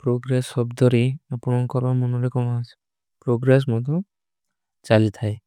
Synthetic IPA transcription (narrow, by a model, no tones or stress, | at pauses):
pɾoɡɾesɔbd̪ɔɾiapuɽɔkɔɾbamunɔɾekɔmaas | pɾoɡɾes̬mɔt̪̬ɔ̃ | t͡ʃalit̪ʰaj